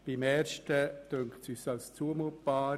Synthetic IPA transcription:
b̥ɪmɛːɾʃtəd̪̥øŋktsyːsɑlst͡suəmutb̥aːɾ

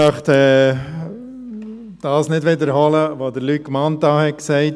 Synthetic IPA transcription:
œχtɛː | d̥ɑːsnɪdʋɪdəɾhɔləʋodəɾlykːmɑntɑːhɛt̚ksɛɪt

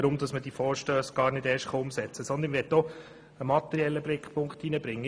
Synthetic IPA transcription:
ɾʊmd̥̪ɑsməd̥ifɔːɾʃtœːsɡ̥ɑːɾnɪdɛːɾʃtχɑʊmsɛt͡səsɔnd̪ənʋɛtɔ | əmɑt̪ɛɾiɛlːəblɪkχpʰʊŋkχtinəbɾɪŋːə

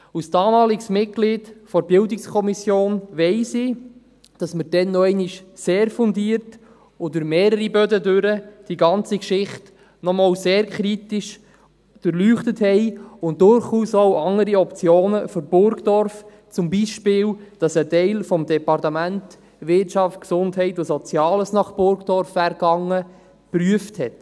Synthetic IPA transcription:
usd̥ɑːmɑːliɡsmɪt̚ɡ̥liːdfɔɾbɪldɪkskʰɔmisjoːnʋɛɪsɪː | d̥ɑsməɾd̥ɛnːɔɛɪniʃseːɾfʊndiːɾt | odʉɾmeːɾəɾibœdədøɾəd̥iɡɑnt͡sikʃɪχt | nɔmɑːwseːɾkʰɾitɪʃ | d̥øɾlyːχtəthɛɪʊnt̚dʊɾχuːsowʔɑŋəɾiɔpt͡sjoːnəføɾb̥ʊɾɡd̥ɔɾf | t͡sʊmbiʃpɪːld̥ɑsətɛɪlfɔmdɛpɑrtəmænt | ʋɪtt͡ʃɑftksʊndɦɛɪtosɔt͡sjɑːləsnɑχb̥ʊɾɡd̥ɔɾfæɾɡɑŋːə | pryəfthɛt

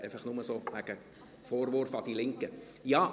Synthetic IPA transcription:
ʔɛɪfəχnʊməsoːʋæɡ̥ə | foːɾʋʊɾfɑd̥̪ilɪŋkə | jɑː

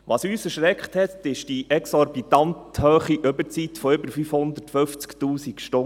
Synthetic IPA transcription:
ʋɑːsyːsəɾʃɾɛkχthɛt̪ɪʃd̥iʔɛksɔɾbit̪ɑnt̪høːχiʔɵbəɾt͡sit̪fɔʏbəɾfyfhʊnd̪ətføft͡sktuːsikʃtʊ

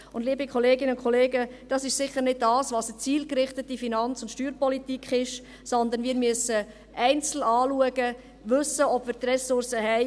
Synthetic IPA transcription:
ʊndliːbikʰɔleːɡɪnəʊnkʰɔleːɡəd̥ɑsɪʃsɪχːəɾnɪd̚dɑːsʋɑːsət͡siːlkrɪχtətifinɑnt͡sʊntʃtyːɾpɔlitikχɪʃ | sɔnd̪ənʋiːɾmyəsə | ʔɛɪnt͡sl̩ɑːluəɡə | ʋɵsəɔb̥ʋiːɾt̪rɛsʊrsəɦɛɪ

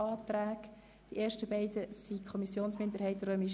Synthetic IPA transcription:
ɑːt̪ɾæːk | d̥iʔeːɾʃtəbɛɪdəsikʰɔmisjoːnsmɪnd̪əɾhɛɪt̪rømi

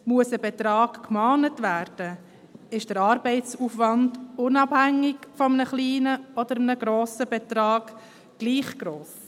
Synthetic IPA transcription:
muəsəbɛt̪ɾɑːkkmɑːnətvæːɾd̥ə | ɪʃd̥əɾɑːɾbɛɪtt͡sufʋɑndʊnɑbhæŋːɪɡfɔmnəχliːnəɔd̪əɾəmənəɡɾɔoːsəbɛt̪ɾɑːɡ̥ | ɡ̥liːχɡ̥ɾoːs

